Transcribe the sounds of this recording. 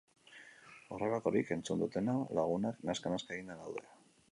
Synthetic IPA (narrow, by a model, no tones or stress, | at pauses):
oreβako̞ɾike̞nt͡sund̪ut̪e̞nalaɣ̞unaknaskanaskaɣind̪anawðea